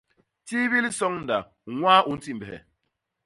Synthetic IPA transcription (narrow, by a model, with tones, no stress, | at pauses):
ti˦βi˦li˦sɔ˦ŋn̩˨da˨ | ŋʷaː˦ʔʊ˨n̩˦ti˦m̩˨be˨ɦḛ˨